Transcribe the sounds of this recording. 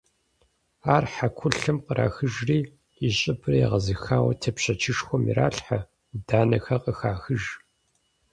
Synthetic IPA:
aːrħakʷʰʊɬɨmqəɾa̰ːxɨʒriː | iɕʼɪbʰrɐjɛ̰ʁɐzɨxaːwɐ̰tʰɐpɕɐt͡ʃʰɪʂxʷɔmḭra̰ːɬħa | daːnɐxɐqʼəxaːxɨʒ

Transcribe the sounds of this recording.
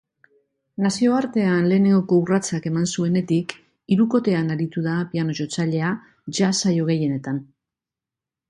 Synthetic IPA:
nasio̞aɾt̪e̞anle̞ːne̞ŋɡo̞ko̞urat͡sake̞mansue̞ne̞t̪ik | iɾuko̞t̪e̞anaɾit̪uðapiano̞ʝo̞t͡saʎe̞a | ʝasajo̞ɣ̞e̞je̞ne̞t̪an

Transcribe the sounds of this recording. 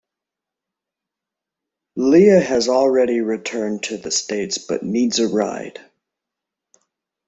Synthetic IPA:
liɨɨzl̩ˠɹɛɾiɹɨtʰɜ̃˞ntʰɨðɨsteɪtsb̥ʌ̰tⁿnidzɨɹa̰ɪd̥

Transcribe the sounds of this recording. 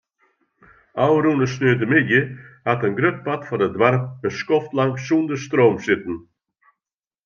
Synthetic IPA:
awɾuːnəsnøːd̪əmɪd̪jəhat̪ənɡɾʏt̚pat̪fɔdəd̪waɾpbəskɔft̪laŋksund̪əst̪ɾoːmsɪt̪n̩

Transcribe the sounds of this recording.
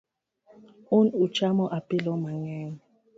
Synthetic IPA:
unut͡ʃamɔʔapilɔmaŋɛːŋɔ

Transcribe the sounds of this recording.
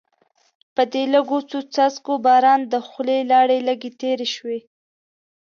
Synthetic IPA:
pəd̪eləɡot͡sut͡sazkobɑɾɑnd̪əxlelɑɽeləɡet̪eɾeʃwe

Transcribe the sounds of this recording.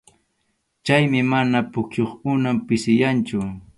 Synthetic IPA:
t͡ʃajmɪmanapʊkjoχʊnampɪsɪjant͡ʃʊ

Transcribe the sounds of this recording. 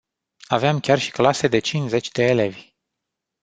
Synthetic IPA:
aveamkʲarʃi̥klase̞d̪e̞t͡ʃint͡ʃze̞t͡ʃʲd̪e̞ːle̞vʲ

